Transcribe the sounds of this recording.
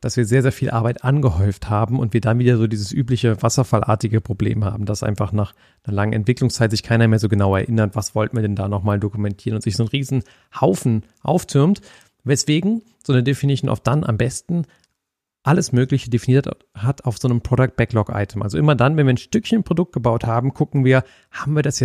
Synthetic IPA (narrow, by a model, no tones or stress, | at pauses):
d̥asv̥iːɐzeːɐzeːɐfiːlʔaɐbaɪtʔanɡəhɔʏfthaːbm̩ʊntv̥iːɐdanviːdɐzoːdiːzəsʔyːplɪçəvasɐfalʔa̰ːɐtɪɡəpʁ̥oblḛːmha̰ːbm̩dasʔa̰ɪnfaχnaːχ | nɐlaŋənʔɛ̰ntv̥ɪklʊŋst͡saɪtz̥ɪçkʰaɪnɐmeːɐzoːɡənaʊɛ̰ɐʔɪnɐtv̥asv̥ɔltn̩viːɐdɛndaːnɔχmaːldokumɛntʰiːʁənʊntz̥ɪçz̥oːnʁiːzn̩ | haʊfn̩ | ʔa̰ʊft͡sʰʏɐmt | vɛsv̥eːɡŋ̩ | z̥oːnədefinɪsoːnʔa̰ʊfd̥anʔa̰mbɛstn̩ | ʔaləsmøːklɪçədefiniːɐ | hatʰaʊfz̥oːnəmpʁ̥odʊk̚t̚b̥ɛklɔkʔa̰ɪtʰəmʔa̰lzoʔɪmɐdanvɛnviːɐnʃtʏkçənpʁ̥odʊk̚t̚ɡ̥əbaʊthaːbm̩kʰʊkŋ̩viːɐ | haːbm̩viːɐdasja